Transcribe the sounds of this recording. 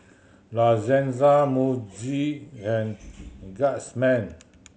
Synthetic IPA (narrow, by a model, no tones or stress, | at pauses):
lazɛ̃nzamud͡ʒiɛ̃nɡaʔsmɛ̃n